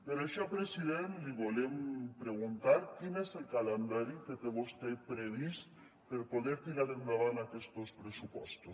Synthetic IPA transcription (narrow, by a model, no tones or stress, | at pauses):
peɾaʃoapɾesiðenliβolempɾeɣ̞unt̪aɾkineselkalend̪aɾiket̪eβost̪epɾeβ̞ist̪ | peɾpoðeɾt̪inaðend̪aβanakest̪ospɾesupɔst̪os